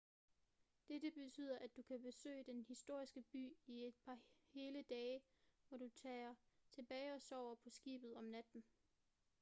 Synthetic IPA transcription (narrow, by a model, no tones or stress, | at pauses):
d̥edəb̥e̝t͡sʰy̰ːð̰ˠɐʔæd̥ukʰæb̥e̝sø̰ːɪd̥enhisd̥o̝ɐ̰isɡ̥əb̥y̰ːie̝d̥̚pʰɑ̈he̝ːləd̥ɛːɪʋɒɾ̥ut͡sʰɛːt͡sʰe̝b̥ɛːɪɒ̽sɒʊ̰ɐpʰɒ̽sɡ̥ḭːb̥ð̩ˠɒ̽mnæd̥n̩